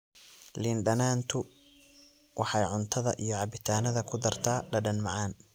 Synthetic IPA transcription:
lɪnɖɐnaːnt̪ʰʊ | wɑħɑjʕʊnt̪ʰɐðɐ̰ʔijɔʕɑbɪt̪ʰaːnɐðɐkʰʊd̪ɐrt̪ʰaːɖɐɖɐnmɑʕɑːn

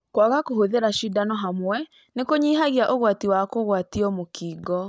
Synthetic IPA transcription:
kwaɣakohoðeɾaʃidanɔɦamwɛ | nekoɲiːɦaɣiaʔoɣwatiwakoɣwatiɔmokʰiːɡɔ

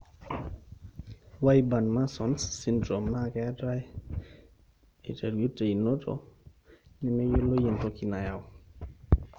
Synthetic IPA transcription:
wajbanmasɔnsːindɾomnakɛtaj | iteɾjutːeinotʰo̰ | nɛmejolojintokinajaw

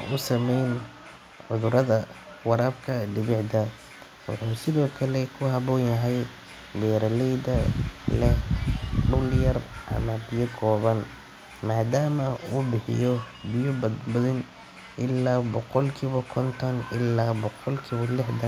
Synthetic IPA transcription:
ʔʊsɐmɛjn | ʕʊðʊɾɐðɐwɑɾɐbkʰɐdɪβɪʕd̪ɐ | wɑ̰ħuːsɪðɔːkʰɐlɛkʰʊɦɐβɔːnjɐɦɛj | d̪ɛːɾɐlɛjd̪ɐlɛhɖʊljɐrʔɐ̰mɐbɪjɐkʰɔːβɐn | maːd̪aːmɐuːbɪħɪ̰jɔbɪjʊbbɐðɪn | ʔɪlːaːbɔqɔlkʰiːβɔkʰɔnt̪ʰɔnɪlaːbɔqɔlkʰiːβɔlɪħd̪ɐ

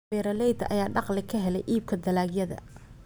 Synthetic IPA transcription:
bɛːɾɐlɛjd̪ɐʔɐ̰jaːɖɑqlɪkʰɐɦɛlɛjʔiːb̚kʰɐd̪ɐlaːɡjɐðɐ̰

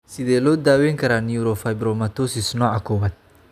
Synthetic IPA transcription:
sɪðɛːlɔːd̪aːwɛːŋkʰɐɾaːniuɾɔfɐjbɾɔmɐt̪ɔsɪsnɔːʕakʰɔwɐd̪̚

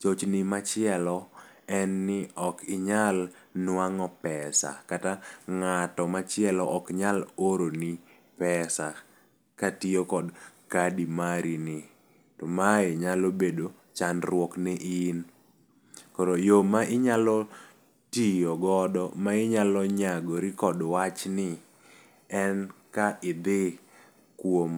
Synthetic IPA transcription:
t͡ʃot͡ʃnɪmat͡ʃɪɛlɔɛnːɪɔkɪɲal | nwaŋɔpɛsa̰kataŋatɔmat͡ʃɪɛlɔʔɔkɲaloɾoni | pɛsa | katijokɔdkadimaɾinɪ | tɔmaeɲalobedo | t͡ʃanɾwɔknɛʔin | koɾojomaʔɪɲalɔ | tijoɡɔdɔmaɪɲalɔɲaɡoɾikɔdwat͡ʃnɪ | ɛnkaɪd̪ɪ | kwom

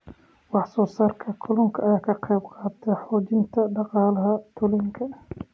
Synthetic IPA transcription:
wɑħsɔːsaːrkʰɐkʰʊlʊŋkʰɐʔːjaːkʰɐqɛjbqɑːt̪ʰɛħɔːt͡ʃɪnt̪ʰɐɖɑqɑːlɐɦɐt̪ʰʊlɛːŋkʰɐ

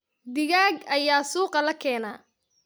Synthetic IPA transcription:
d̪ɪɣaːɡɐjaːsuːqɑlɐkʰɛːnaː

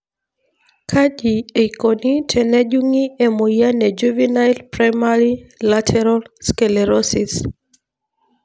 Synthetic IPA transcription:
kʰad͡ʒiekonitʰɛnɛd͡ʒuŋiɛmojanɛd͡ʒuvinajlpɾajmaɾilatʰɛɾalskɛlɛɾɔsis

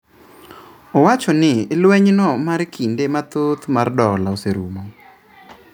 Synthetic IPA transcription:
owat͡ʃɔnɪːlwɛɲnɔmaɾkʰindemat̪ot̪mardɔlaoseɾumo

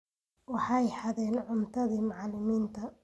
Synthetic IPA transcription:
wɑħɑjħɑðɛːnʕʊmt̪ʰɐðiːmɑʕlɪmiːnt̪ʰɐ

